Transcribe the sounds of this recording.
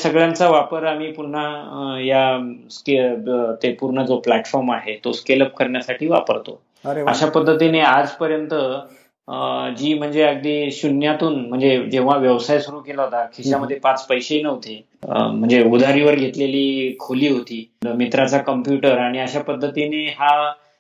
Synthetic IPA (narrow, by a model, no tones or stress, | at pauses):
səɡɭjãnt͡saʋapəɾamiːpuɽ̤ajasket̪epuɾɳəd͡zoplæʈfɔɾmaɦet̪oskeləp̚kəɾɳjasaʈʰiːʋa̰pəɾt̪o̰ | a̰ɕapəd̪ʱːət̪inead͡zpəɾjənt̪ə | d͡ʑiːm̤əɳd͡zeəɡ̚d̪iːɕunjat̪uːnm̤əɳd͡zed͡ʑẽʋ̤̃aʋjəʋsajsuɾuːkelaɦot̪akʰiɕaməd̪ʱːjepat͡spəjɕenəʋt̪e | m̤əɳd͡zeud̪ʱaɾiʋəɾɡʱet̪leliːkʰoliːɦot̪iːmit̪ɾat͡sakəmpjuʈəɾaɽ̃iaɕapəd̪ʱːət̪ineɦa